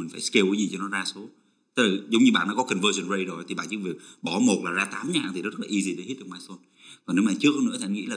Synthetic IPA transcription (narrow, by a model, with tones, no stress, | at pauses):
mi̟˨˩faː˧˩jske˧wkə˨˦zi˨˩t͡ɕɔ˧nɔ˨˦zaː˧so˨˦ | t̪ə˦˥k̚laː˨˩zə˨˦wŋ͡mɲɨ˧ɓa̰ː˧˨nɔ̰˧˦˥kɔ˨˦kə˨˩nvəː˧zə˨˩nzə˧jzo˨˩t̪i˨˩ɓaː˧˨t͡ɕɨ̰˧˥˦və˨˩ɓɔ˧˩mo˨˩t̚laː˨˩zaː˧t̪aː˨˦mɲa̰ː˧˨ŋt̪i˨˩˨zə˦˥laː˨ʔi˧zi˧ɗe˧˩hi˦˥t̚ɗɨ˨˩maː˧so˧n | vaː˨˩ne˨˦wmaː˧˨t͡ɕɨ˦˥ək̚hə˧nɨ̰˧˥ət̪i˨ʔa˧ŋḭ˧˥laː˨